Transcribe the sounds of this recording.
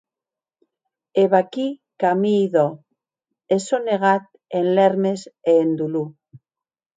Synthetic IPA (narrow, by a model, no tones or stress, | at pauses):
eβakikamiːðo | esoneɣ̞at̪̚ | enleɾmeseːnd̪ulu